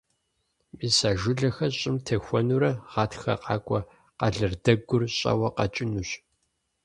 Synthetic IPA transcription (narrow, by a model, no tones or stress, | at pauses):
biːsaːʒʊɮɐxɐɕʼɪmtʰɐxʷɔnuɾɐʁ̥ɑːtxɐ̰qɑ̰ːkʷʼɔ | qɐɮɨrdɐɡʷʊrɕʼɐ̰wɐqɐt͡ʃʼɪnuɕ